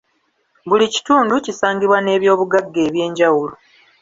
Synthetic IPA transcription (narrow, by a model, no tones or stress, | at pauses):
βulici̥tuːnducisaːŋɡiβwane̞ːβjo̞ːβuɡaɡːe̞ːβje̞ːɲɟawulo